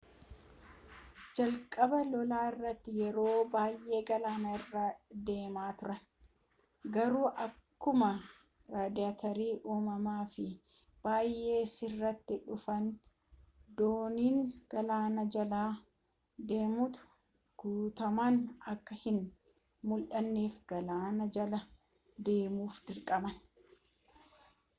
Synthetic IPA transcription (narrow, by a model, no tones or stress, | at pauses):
d͡ʒɐlkʼɐbɐlɔlaːɪrːɐt̪ːɪjɛɾo̞ːbaːjʔe̞ːɡɐlaːnɐɪrːaːd̪e̞ːmaːt̪ʊɾɐn | ɡɐɾuːʔɐkːʊmɐ | ɾaːd̪ɪat̪ɐɾiːʔuːmɐmaːfɪ | b̥aːjːʔe̞ːsɪrːɐt̪ːɪᶑʊfɐn | d̪oːniːŋɡ̥ɐlaːnɐd͡ʒɐlaː | d̪e̞ːmʊt̪ʊ̥ | ɡ̥uːt̪ɐmɐnɐkːɐhɪn | mʊlʔɐnːeːfɡɐlaːnɐd͡ʒɐlɐ | d̪e̞ːmuːfd̪ɪɾkʼɐmɐn